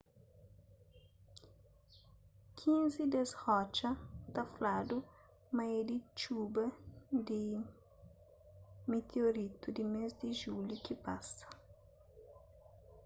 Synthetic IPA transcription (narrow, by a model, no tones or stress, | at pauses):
kʰĩnzid̪ezhɔt͡ʃɐt̪ɐflad̪u | mɐed̪it͡ʃubɐd̪i | met̪ʰeoɾit̪ud̪imezd̪iʒuljukipasɐ̥